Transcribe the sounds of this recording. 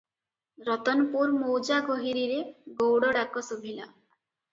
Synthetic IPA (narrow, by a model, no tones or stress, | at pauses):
ɾɔt̪ɔnɔpuɾmowd͡ʒaɡɔɦiɾiɾeɡowɽɔɽakɔsobʱila̰